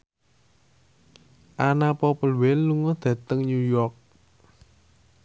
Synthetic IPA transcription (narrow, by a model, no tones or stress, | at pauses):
ʔanapɔpəlwɛlːuŋɔd̪̥ä̤t̪əŋɲujɔrk̚